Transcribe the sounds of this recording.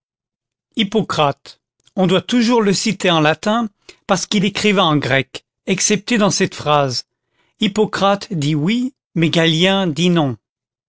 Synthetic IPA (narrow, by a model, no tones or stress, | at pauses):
ipɔkχat̪ | ɔ̃d̪wat̪uʒuʁləsit̪eɑ̃lat̪ɛ̃ | paʁsə̥kilekχivɛɑ̃ɡʁɛk | ɛksɛp̚t̪ed̪ɑ̃sɛt̪fχaz | ipɔkχat̪d̪iwi | mɛɡaljɛ̃d̪inɔ̃